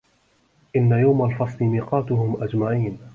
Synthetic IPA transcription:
ʔɪnːajawmalfɑsˤlɪmiːqɑːt̪ʊhʊmʔad͡ʒmaʕiːn

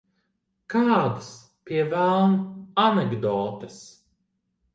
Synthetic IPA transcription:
kaːd̪as | pʲiɛvælˠnanɛɡd̪ɔːt̪ɨs

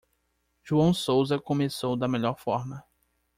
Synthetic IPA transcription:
ʒuɐ̃w̃sowzɐkõmesowd̪ɐmeʎɔɾfɔɾmɐ

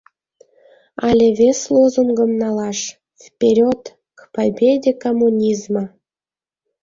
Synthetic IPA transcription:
ɑlʲeβʲeslozumɡəmnɑlɑʃ | vpʲeɾʲot̪ | kpabʲed̪ʲekomːunʲizmə

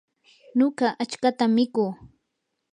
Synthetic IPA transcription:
noɢɑʔat͡ʃkat̪amːɪkuː

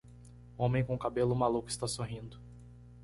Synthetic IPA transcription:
õmẽj̃kõkabelʊmalukʊɪst̪asoɦĩnd̪ʊ

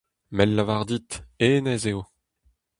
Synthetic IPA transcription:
mɛlːavaʁd̪it̪eːnɛzeo

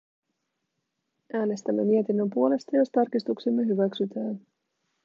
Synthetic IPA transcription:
ʔæːne̞st̪æmːe̞mie̞t̪inːø̞mpuo̞le̞st̪ɑjo̞st̪ɑrkist̪uksimːe̞ɦyʋæksyt̪æːn

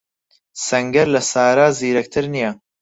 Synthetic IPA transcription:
sɐŋɡɐɾlɐsaːɾaːziːɾɐk̚t̪ʰɨɾnijɐ

